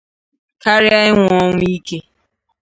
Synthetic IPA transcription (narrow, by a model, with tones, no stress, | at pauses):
ka˦ɾɪ˦a˦ɪ˦ŋʷ˦ɔ˦ŋʷʊ˦i˦ke˦